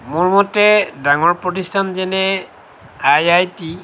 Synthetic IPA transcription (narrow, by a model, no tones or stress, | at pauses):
mʊɹmɔtɛdaŋɔɹpɹɔtistʰanzɛnɛ | ajajti